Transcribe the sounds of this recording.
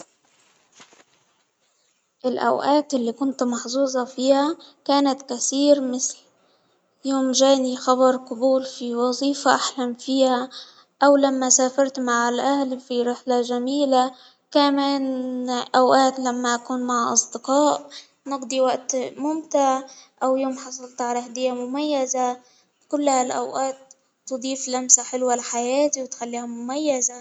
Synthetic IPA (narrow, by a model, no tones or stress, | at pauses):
ʔɪlʔa̰wʔaːt̪ʔɪlːikʊnt̪mɑħzuːzˤɑfiːhakaːnat̪kaθiːɾmɪθl | joːmʒaːnixɑbɑɾˤqʊbuːlfiwɑzˤiːfaʔaħlamfiːha | ʔawlamːasaːfɑɾˤt̪maʕalʔahlfiɾɪħlaʒamiːla | kamaːnʔawʔaːt̪lamːaʔakuːnmaʕʔɑ̰sˤd̪ɪqɑːʔ | nɪqd̪ˤiwaʔt̪mʊmt̪ɪʕʔawjoːmħɑsˤɑlt̪ʕalahd̪ɪjːamʊmajːaza | kʊlːhalʔa̰wʔaːt̪ː | ʊd̪ˤiːflamsaħɪlwalħajaːt̪iwɪt̪xalːiːhamʊmajːaza